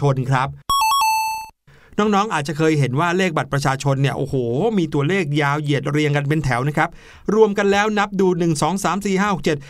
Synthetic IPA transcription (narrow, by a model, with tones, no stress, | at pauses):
o˧nkʰɾa˦˥p̚ | nɔː˦˥ŋ̚nɔː˦˥ŋʔaː˨˩t̪̚t͡ɕa˨˩kʰɤː˧jɦe˩˦nwaː˥˩leː˥˩k̚ba˨˩t̪̚pɾa˧t͡ɕʰaː˧t͡ɕʰo˧nːi˥˩ɐʔo̰ː˨˩hoː˨˩miː˧t̪u˧ɐleː˥˩k̚jaː˧wji˨˩ət̪̚ɾi˧əŋka˧npe˧nt̪ʰɛ˩˦wna˦˥kʰɾa˦˥p̚ | ɾu˧əmka˧nlɛː˦˥wna˦˥p̚duː˧nɯ˨˩ŋsɔː˩˦ŋsaː˩˦msiː˨˩ɦaː˥˩ho˨˩k̚t͡ɕe˨˩t̪̚